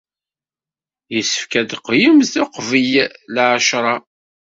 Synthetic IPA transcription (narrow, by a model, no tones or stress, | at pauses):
jəsːə̥fkæd̪qːjəmzθʊqvijlʕəʃɾˤɑ